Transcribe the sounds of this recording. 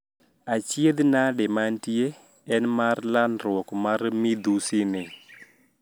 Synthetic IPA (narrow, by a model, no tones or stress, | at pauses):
at͡ʃjed̪naɗɛmantie | ɛnmaɾlanɾwɔkmaɾmid̪usinɪ